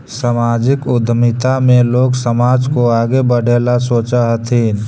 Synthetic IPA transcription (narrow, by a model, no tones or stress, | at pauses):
səmaːd͡ʒɪkʊd̪ʱmɪt̪amẽloːksəmaːd͡ʒkoaːɡebəɽʱeːlasoːt͡ʃaɦət̪ʰiːn